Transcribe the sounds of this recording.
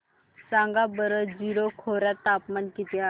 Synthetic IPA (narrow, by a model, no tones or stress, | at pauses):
sãŋɡabəɾəd͡ʑiɾokʰoɾjat̪ːapmankit̪ea